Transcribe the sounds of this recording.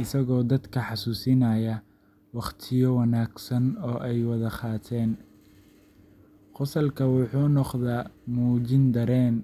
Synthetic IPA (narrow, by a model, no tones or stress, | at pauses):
ɪsɐɣɔːd̪ɐd̪kʰɐħɑsuːsɪnɐjɐ | wɑχt̪ʰɪjɔwɑnaːɡsɐnɔːʔɛjwɑðɐqɑːt̪ʰɛːn | qʊsɐlkʰɐwʊħuːnɔqðamuːd͡ʒɪnd̪ɐɾɛːn